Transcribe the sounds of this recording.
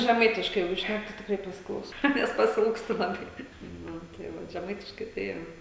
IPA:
ʒʲɛˈmɐɪtʲɪʃkɐɪ ˈjɛɪɡʊ ˈʃʲnʲæk tɐɪ tʲɪkˈrɐɪ pɐsʲɪˈklˠɐʊsɐʊ ˈnʲɛs pɐsʲɪˈɪlˠkstʊ lˠɐˈbɐɪ ˈnʊ tɐɪ ˈʋɐ ʒʲɛˈmɐɪtʲɪʃkɐɪ tɐɪ ˈjoː

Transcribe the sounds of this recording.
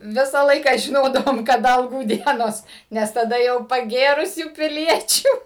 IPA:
ˈʋʲɪsɑː ˈlˠɐɪkɑː ʒʲɪˈnoːdɐʋoːm kɐˈdɐ ɐlˠˈɡuː ˈdʲiɛnoːs ˈnʲɛs tɐˈdɐ jɛʊ pɐˈɡʲeːrʊsʲuː pʲɪˈlʲiɛt͡ʃʲuː

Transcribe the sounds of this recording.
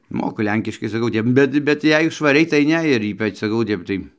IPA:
ˈmoːkʊ ˈlʲɛŋʲkʲɪʃkɐɪ sɐˈkɐʊ ˈtʲɛp ˈbʲɛt bʲɛt ˈjɛɪ ʃʋɐˈrʲɛɪ tɐɪ ˈnʲɛ ɪr ˈiːpɐt͡ʃ sɐˈkɐʊ oː ˈtʲɛp tɐɪ

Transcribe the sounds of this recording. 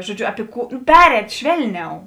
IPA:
ʒoːˈd͡ʒʲʊ ɐpʲɪ ˈkuː ˈpʲæːrʲɛːtʲ ˈʃʲʋʲɛlʲˌnʲɛʊ

